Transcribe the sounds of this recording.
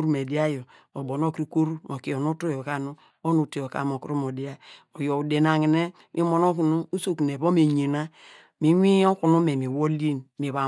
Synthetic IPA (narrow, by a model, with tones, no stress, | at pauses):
ɾu˦me˨di˦a˦jo˨ | o˨bo˨no˦kɾi˨ko˦ɾu˦ŋo˨ki˨o˨nu˦tu˦jo˨ka˦˨nu˦ | o˦nu˨te˨o˨ka̰˨mo˨kɾo˦mo˨di˦a˦o˨jo˨u˨de˨na˨ŋi˨ne˦ | mʔi˦mo˨no˦ku˨nu˦u˦so˦˨kn˨e˨βo˦me˨ɲe˨na˦ | mi˨wi˦o˦ku˨nu˦me˨mi˨wo˦li˦nmi˨βa˨